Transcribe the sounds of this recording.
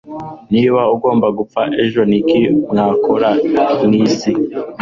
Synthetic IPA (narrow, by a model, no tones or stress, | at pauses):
niβauɡo̞ːmbaɡup͡faʔe̞ʒo̞nikimŋaːkʰoɾaniːsi